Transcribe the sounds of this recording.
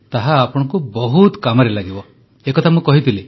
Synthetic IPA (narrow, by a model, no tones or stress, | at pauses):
t̪aɦaːpɔɽ̃ɔ̃kubɔɦut̪kamɔɾelaɡibɔ | ekɔt̪ʰamũkɔɦit̪ʰili